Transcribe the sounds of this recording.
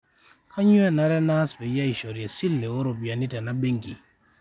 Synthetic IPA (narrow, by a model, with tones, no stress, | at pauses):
kʰa˦ɲʊ˦ɛ˦na˦ɾɛ˦na˦sbɛ˨ja˦i˨ʃɔ˨ɾjɛ˨si˦lːe˨o˦ɾo˨pja˨ni˦tɛ˨na˦be˦ŋɡi˨